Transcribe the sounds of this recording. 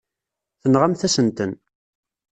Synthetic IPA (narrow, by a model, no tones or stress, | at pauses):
θənʁamθæsənt̪ən